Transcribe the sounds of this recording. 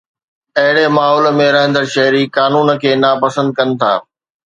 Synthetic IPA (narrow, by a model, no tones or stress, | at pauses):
ɐɦɪɽemaːɦɔːlmẽɾɐɦə̃nd̪əɾʃɐɦɪɾikaːnuːnkʰeːnapɐsə̃nd̪̚kɐnɪ̆t̪ʰa̰ː